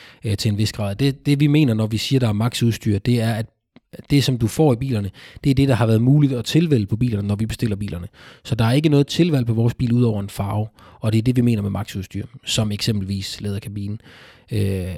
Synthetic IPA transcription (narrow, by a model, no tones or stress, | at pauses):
t͡sʰe̝enʋe̝sɡ̥ʁɑ̰̈ðˠd̥ed̥e̝ʋime̝̰ːnɐnɒʋisiːɐd̥ɑ̈æɐmɑ̈ɡ̥suðˠsd̥y̰ːɐd̥e̝æɐæd̥ | d̥e̝sɒ̽md̥ufɒ̰ːib̥ḭːlɐnəd̥e̝æɐd̥e̝d̥ɑ̈hɑ̈ʋæːɐð̩ˠmuːlid̥ɒt͡sʰe̝lʋel̰əpʰɒ̽b̥ḭːlɐnənɒʋib̥e̝sd̥e̝l̰ɐb̥ḭːlɐnəsɒ̽d̥ɑ̈æɐe̝ɡ̥ənɔːð̞̩ˠt͡sʰe̝lʋæl̰pʰɒ̽ʋɒːsb̥ḭːluðˠɒʊ̰ɐe̝nfɑ̈ːʊ | ɒ̽d̥eæɐd̥e̝ʋime̝̰ːnɐmemɑ̈ɡ̥suðˠsd̥y̰ːɐ̰sɒ̽meɡ̥sem̰b̥l̩ʋḭːslḛːð̞ˠɐkʰæb̥ḭːnn̩